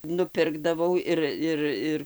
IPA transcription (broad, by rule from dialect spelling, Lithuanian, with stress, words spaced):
nʊˈpʲɪrɡdɐʋɐʊ ˈɪr ˈɪr ˈɪr